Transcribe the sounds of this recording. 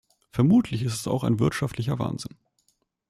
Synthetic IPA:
fɛɐmuːtʰlɪçɪstɛsa̰ʊxaɪnvɪɐtʃaftʰlɪçɐva̰ːnzɪn

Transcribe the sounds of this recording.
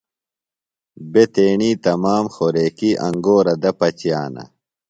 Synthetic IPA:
bet̪eːɳiːt̪ɐmaːmxoɾeːkiʔɐŋɡoːɾɐd̪ɐpɐt͡ɕijaːnɐ̰

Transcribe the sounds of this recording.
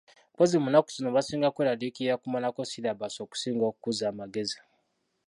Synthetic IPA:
pozimunaku̥sinoβasiːŋɡakweɾalikijakumonakosilaβasoːku̥siːŋɡokukuzaːmaɡe̞zi

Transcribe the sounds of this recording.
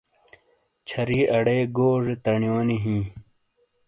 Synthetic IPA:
t͡ɕʰɐɾiːɐɽeːɡoːʐet̪ɐɳjoːniɦĩː

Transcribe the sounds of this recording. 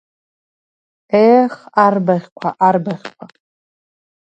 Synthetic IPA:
ejχarbaʁʲkʷʰaʔarbaʁʲkʷʰa

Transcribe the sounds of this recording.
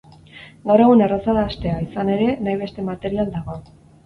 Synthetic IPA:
ɡawɾre̞ɣunerasaðaːst̪e̞aisane̞ɾe̞najβ̞e̞st̪e̞mat̪e̞ɾiald̪aɣo̞

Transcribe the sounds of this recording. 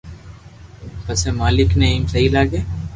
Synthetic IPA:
bɐsemaːlɪknɐimsɐɦilaːɡeː

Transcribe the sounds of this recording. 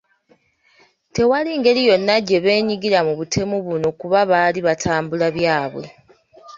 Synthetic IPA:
te̞waliŋɡe̞ɾijo̞nːaɟe̞βe̞ːɲiɡiɾamuβutʰe̞muβuno̞kuβaβaliβatʰaːmbulaβjaːβwe̞̰

